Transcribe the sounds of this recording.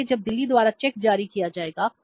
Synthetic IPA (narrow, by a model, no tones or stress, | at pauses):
ed͡ʒɐb̚d̪ɪlːid̪waːɾat͡ʃɛːk̚d͡ʒaːɾikijad͡ʒaːeːɡa